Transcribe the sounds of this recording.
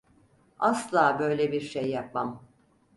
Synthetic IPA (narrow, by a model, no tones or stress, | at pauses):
aslˠaːbø̞jlʲebiɾʃejːap̚mam